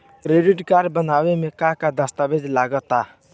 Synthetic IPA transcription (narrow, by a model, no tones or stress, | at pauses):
kɾeːɖɪʈkaːɾɖbənaːwemẽkakad̪əst̪abed͡ʒlaːɡət̪aː